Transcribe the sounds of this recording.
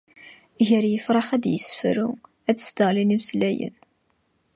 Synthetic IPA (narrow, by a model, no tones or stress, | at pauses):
ʝəɾjəfɾˤɑχæd̪jəsə̥fɾu | æt͡sːsd̪əʁlinimslæjə̰n